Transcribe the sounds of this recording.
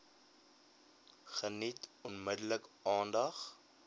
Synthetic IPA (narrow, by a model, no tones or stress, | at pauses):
χənitɔnmədələkɑːndɐχ